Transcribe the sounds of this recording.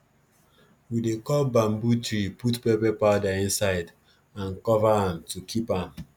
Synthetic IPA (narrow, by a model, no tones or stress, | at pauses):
widekɔlbãmbutɹiputpepɛpadaĩnsaɪd | ãnkɔvaãmtukʰipãm